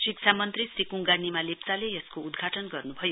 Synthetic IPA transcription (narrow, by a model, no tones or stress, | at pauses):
sikt͡ʃʰamʌnt̪risikuŋɡanimalept͡salejʌskoud̪ɡʱaʈʌnɡʌrnubʱʌjo